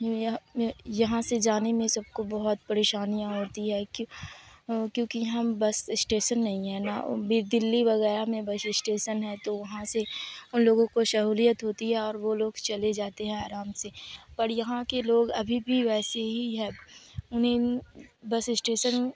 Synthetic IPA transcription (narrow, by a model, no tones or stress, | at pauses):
j̃jjɐɦãsed͡ʒaːnemẽsɐb̚kobɐɦʊt̪̚pɐɾeːʃaːnijãɦoːt̪iɦɛk | kjõːkiɦɐmbɐsɪsʈeːʃənːɐɦĩɦɛnabiɾd̪ɪlːiʋɐɣɛːɾamẽbɐsɪsʈeːʃənɦɛt̪oʋɐɦãseʊnloːɡõkoʃɐɦuːlijət̪ɦoːt̪iɦɛɔːɾʋoloːɡt͡ʃɐled͡ʒaːt̪eɦɛ̃aːɾaːmsepɐɾjɐɦãkeloːɡɐbʱibʱiʋɛːseɦiɦɛ̃ːʊnɦẽ | bɐsɪsʈeːʃən